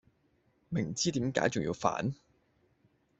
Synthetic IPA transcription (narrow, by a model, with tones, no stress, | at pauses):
mɪ˨˩ŋt͡siː˥t̪iː˨˥mka̰ː˨˥jt͡sʊ˨ŋjḭː˧wfa̰ː˨˥n